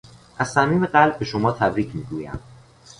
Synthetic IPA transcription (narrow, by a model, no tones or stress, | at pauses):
ʔæz̥sæmiːmeɢælb̚ːe̞ʃomɒːt̪ʰæbɾiːcʰmiːɡuːjæ̰m